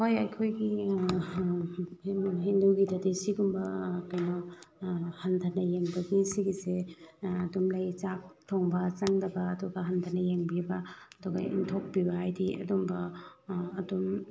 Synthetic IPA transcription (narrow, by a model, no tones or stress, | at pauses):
hojɐjkʰojɡi | ɦinduɡidɐtesiɡumbɐkajnɔ | hɐndʰɐnɐjeŋbɐɡisiɡizeɐdumlajt͡ʃak̚tʰawbɐt͡ʃaŋdɐbɐːdɔɡɐɦɐndʰanɐjeŋbibɐɐdɔɡɐ̰ḭntʰok̚bibɐajdiɐ̰dumbɐː | dum